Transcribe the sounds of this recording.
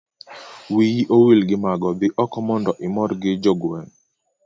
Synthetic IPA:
wijiʔowilɡɪmaɡɔbɪʔɔkɔmɔndɔʔɪmɔɾɡɪd͡ʒoɡwɛŋ

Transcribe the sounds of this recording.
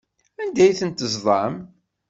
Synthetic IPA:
ænd̪æjθənt̪əzðˤɑm

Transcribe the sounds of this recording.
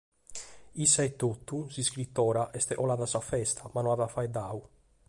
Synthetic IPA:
isːaɛt̪ːot̪ːusiskɾit̪ːɔːɾaʔɛst̪ɛʔɔlaðasafɛst̪ʰamanɔaðafajd̪au

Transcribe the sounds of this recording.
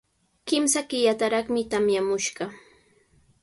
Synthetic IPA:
kɪmsakɪjat̪aɾɑχmɪt̪amjamʊʃɢɑ

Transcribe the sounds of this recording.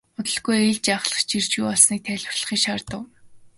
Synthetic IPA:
ʊt̪ə̆ɮɡujeɮt͡ɕaːχɮə̥̆χt͡ɕir̥t͡ɕɣujɔɮsniːk̚t̪ʰæɮʲwə̆rɮə̆χiːʃart̪ə̆w

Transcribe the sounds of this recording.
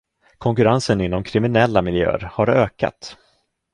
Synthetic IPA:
kʰɔŋkɵɾansənɪnːɔmkʰɾɪmɪnɛlːamɪljø̰ːɾhaɾøːka̰t̪

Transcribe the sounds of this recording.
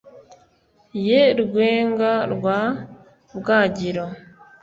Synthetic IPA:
jeɾuɡwe̞ːŋɡaɾɡwa | βɡaːɟiɾo

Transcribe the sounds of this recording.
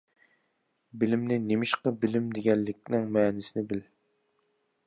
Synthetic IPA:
bɪlɪmnɪnemɪʃqəbɪlɪmd̪eɡʲɛlːɪkʲnɪŋmɛːnɪsɪnɪbɪl

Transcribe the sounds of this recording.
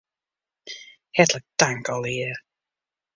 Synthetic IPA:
hɛdləd̥aŋɡɔlˠiː

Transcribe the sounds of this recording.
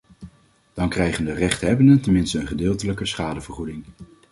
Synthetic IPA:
d̥ɑŋkrɛjχəndərɛχtɦɛbəndəntɛnmɪnstəənχədɪːlˠtələkəsχaːdəvərχudɪŋ

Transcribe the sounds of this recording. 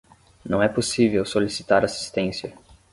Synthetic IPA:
nɐ̃w̃ɛposivewsolisi̥t̪aɾasi̥st̪ẽsiɐ

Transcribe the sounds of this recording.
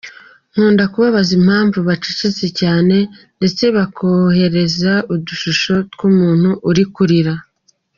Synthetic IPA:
ŋ̥uːndakuβaβazim̥haːɱvuβat͡ʃicit͡secaːne̞ | nde̞t͡se̞βakʰohe̞ɾe̞zauduʃuʃo̞tɡ̥umuːn̥huʔːɾikuɾiɾa

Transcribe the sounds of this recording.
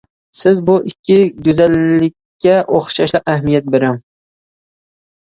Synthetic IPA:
sɪzbʊʔɪkʲːɪɡʊzalːɪkʲːaʔoχʃaʃlˠɪqahmijat̪̚beɾɪm

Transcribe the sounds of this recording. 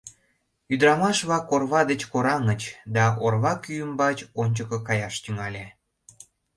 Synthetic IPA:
yd̪əɾɑmɑʃβɑkorβɑd̪et͡ɕkoɾɑŋət͡ɕd̪ɑorβɑkyjəmbɑt͡ɕonʲt͡ɕəkə̆kɑjɑʃt̪yŋɑlʲe

